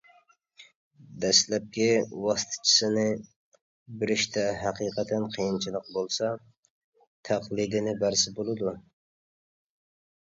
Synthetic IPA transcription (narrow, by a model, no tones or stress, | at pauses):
d̪ɛslɛp̚kʲiwɑst̪ʰɨ̥t͡ʃʰɪ̥sɪnɪ | bɪɾɪʃt̪ʰɛɦæqiːqʰɑt̪ʰɛnqʰijint͡ʃʰilˠəq̚bolˠsɑ | t̪ʰæqlˠid̪ɪnɪbæɾsɪbolˠɨd̪u